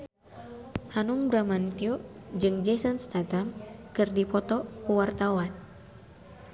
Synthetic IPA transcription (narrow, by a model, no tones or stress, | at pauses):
hanuŋbɾamant̪iɔd͡ʒɨŋd͡ʒɛsənst̪at̪amkɨrdipɔt̪ɔkuwart̪awan